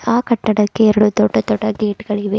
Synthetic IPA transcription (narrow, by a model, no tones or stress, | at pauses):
aːkɐʈːɐɽɐkːeɛɾɐɽut̪ɔɖːɐt̪ɔʈːɐɡeːʈɡɐɭiʋe